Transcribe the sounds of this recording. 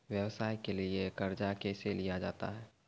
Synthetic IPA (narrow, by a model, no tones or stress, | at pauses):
ʋjəwsaːikeliekəɾd͡ʒakeːselijad͡ʒaːt̪a̰ɦɛː